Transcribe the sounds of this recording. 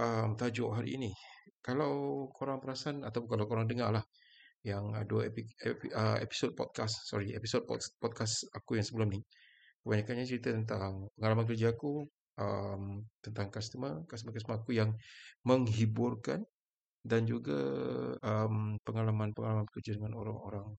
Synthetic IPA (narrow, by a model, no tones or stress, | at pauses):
ʔəmt̪ad͡ʒɔʔɦaɾḭːnikalawkʰoɾaŋpəɾasanat̪awp̬ʊŋkalawkoɾaŋdəŋalah | jaŋə̰duaiepəḛpi̥sod̚pɔ̰t̪̚kasːɔ̰ɾiepisod̚pɔ̰tpɔt̪̚kasakujaŋsəbəlʊmni | kəbaɲakanɲat͡ʃəɾit̪at̪ənt̪aŋpəŋalamank̬ərd͡ʒaːku | ʔəmt̪ənt̪aŋkast̪əmakast̪əmakas̬t̪əmaːkujaŋməŋɦibʊrka̰n | dand͡ʒuɡa̰əmpəŋalamanpəŋalamankərd͡ʒadəŋano̰ɾa̰ŋo̰ɾaŋ